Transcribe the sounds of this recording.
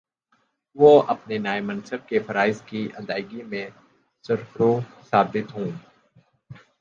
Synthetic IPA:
ʋoʔɐpnenaːemɐ̃nsəb̚kefʰɐɾaːɪzkiʔɐd̪aːɪɡimẽ | sɐɾfɾo | saːbɪt̪ɦũː

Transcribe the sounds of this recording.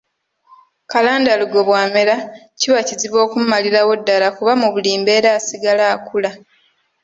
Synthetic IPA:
kalaːndaluɡo̞βwaːmeɾa | ciβaciziβo̞ːkummːaliɾawo̞dːalakuβamuβuliːmbe̞ːɾaːsiɡalaːkula

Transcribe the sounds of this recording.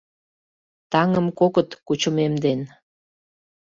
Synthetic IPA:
t̪ɑŋəmkokət̪kut͡ɕəmemd̪en

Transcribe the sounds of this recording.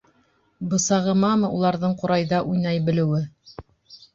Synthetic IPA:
bɤ̆sɑʁɤ̆mɑmɤulˠɑɾðɤɴqŏɾɑjðɑʔujnɑjbɘ̆lɘ̆wɘ

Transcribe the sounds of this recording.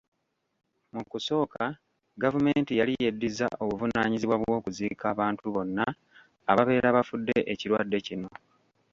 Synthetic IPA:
mukuso̞ːka | ɡavume̞ːntijalijedːiza̰ʔo̞βuvunaːɲiziβwaβwo̞ːkuzikaːβaːntuβo̞nːaː | βaβe̞ːɾaβafudːe̞ʔeciɾwadːe̞cino̞

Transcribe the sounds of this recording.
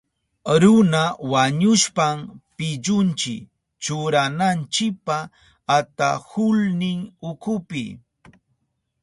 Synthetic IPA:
ɾʊnawaɲʊʃpampɪʎʊnt͡ʃɪ̰k | t͡ʃʊɾanant͡ʃɪk̚paː | t̪a̰hʊlnɪŋʊkʊpɪ̰

